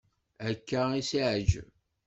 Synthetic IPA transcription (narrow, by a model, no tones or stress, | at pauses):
ækːæisiʕəd͡ʒ